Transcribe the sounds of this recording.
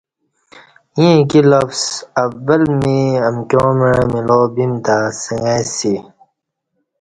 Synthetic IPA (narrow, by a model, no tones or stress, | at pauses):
ĩkilɐfsɐvɐlmiɐmkõːmeɻmiloːbimt̪aːsəŋesi